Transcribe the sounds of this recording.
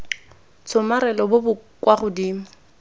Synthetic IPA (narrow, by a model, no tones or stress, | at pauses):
t͡sʰʊmaɾɛlɔbʊbʊkwaɣʊdiːmʊ